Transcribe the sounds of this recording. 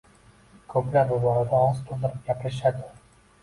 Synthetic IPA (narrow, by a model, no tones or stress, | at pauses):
kʰɵplaɾbʊbɒɾad̪aɒzt̪ʰold̪ɪɾɪp̚ɡʲapʰɾɪʃ̬ad̪ɪ